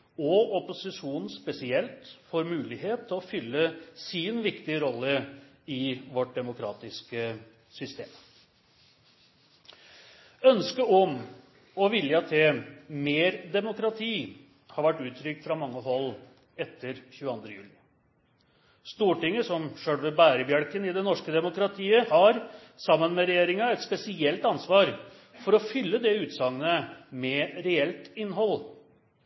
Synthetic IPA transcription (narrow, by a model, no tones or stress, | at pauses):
ɔɔpʊsɪʂuːnn̩spɛsɪɛlt̪fɔɾmʉːlɪɦeːt̪ʰːɪlɔfʏlːəsɪnʋɪkt̪ɪəɾɔlːə | ɪʋɔʈ̚d̪ɛmʊkʰɾɑ̰ːt̪ɪskə | sʏst̪ḛːm | œnskəɔm | ɔʋɪljɑt̪ʰemeːɾd̪ɛmʊkɾɑt̪ʰiː | hɑɾʋæʈːʉːt̪ʰɾʏk̚t̪fɾɑmɑŋːəɦɔlː | ɛt̪ʰːəɾçʉːɑnd̪ɾəjʉ̰ːlɪ | st̪uːʈɪŋːəsɔmʂøːɽʋɛbæːɾəbjɑɽkənɪd̪ɛnɔʂkəd̪ɛmʊkɾɑt̪ʰiːəhɑɾ | sɑmːənmɛɾɛjeːɾɪŋɑɛt̪spɛsɪɛlt̪ɑnsʋɑːɾ | fɔɾɔfʏlːəd̪ɛʉːt̪sɑŋənəmɛɾɛɛlt̪ɪnːɦɔlː